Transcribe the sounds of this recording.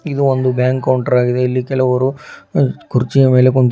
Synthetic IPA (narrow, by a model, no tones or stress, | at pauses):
id̪uond̪ubjaːŋkːɐwɳʈɐɾaːɡid̪eːlːikɛlɐʋɐɾu | kuɾt͡ʃijɐme̞ːle̞koɳt̪